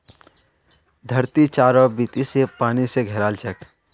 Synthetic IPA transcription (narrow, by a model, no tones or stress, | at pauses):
d̪ʱəɾt̪it͡ʃaːɾɔbit̪isepaːniseɡʱeɾaːlt͡ʃɛk